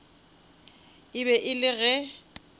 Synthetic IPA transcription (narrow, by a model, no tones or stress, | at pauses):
ɪβɛʔɪlɪɣɛ